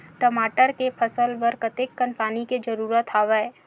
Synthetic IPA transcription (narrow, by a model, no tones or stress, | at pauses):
ʈəmaːʈəɾkepʰəsəlʋəɾkət̪ɪkːənpaːniked͡ʒɐɾuːɾət̪ʰaːʋə